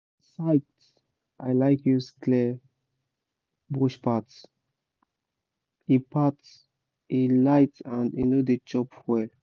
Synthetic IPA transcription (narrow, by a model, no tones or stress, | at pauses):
saɪt | ʔaɪlaɪkjutkʰlɛ | bɔʃpats | ipʰat | ilaɪtãndḭnodet͡ʃɔpwɛl